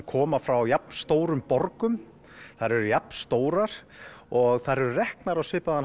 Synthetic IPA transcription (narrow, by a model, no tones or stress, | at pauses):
kʰɔːmafɾawjapn̥st̪oːwɾʏmpɔɾkʏm | θaɾɛɾʏjapnst̪oːwɾaɾ̥ɔɣθaɾɛɾʏrɛhknaɾawsɪːpaðan